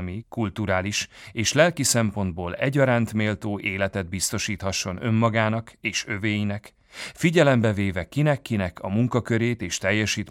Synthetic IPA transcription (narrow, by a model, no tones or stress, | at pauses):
mikult̪uɾaːliʃeːʃlɛlkisɛmpo̞nd̪̚boːlɛ̰ɟːɒɾaːnt̪meːlt̪oːʔeːlɛt̪ɛd̪̚bist̪o̞ʃiːt̪hɒʃːo̞nø̞mːɒɡaːnɒkeːʃøveːjinɛk | fiɟɛlɛmbɛveːvɛkinɛkːinɛkʰɒmuŋkɒkøɾeːt̪eːʃt̪ɛjːɛʃiːt̪